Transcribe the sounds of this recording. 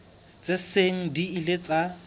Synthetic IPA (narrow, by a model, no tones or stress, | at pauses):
t͡sʼeseŋ̩diilet͡sʼa